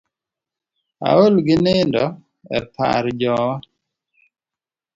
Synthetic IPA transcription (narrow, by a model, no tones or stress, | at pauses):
a̰olɡɪnɪndɔ | ɛ̰pʰa̰ɾd͡ʒɔwa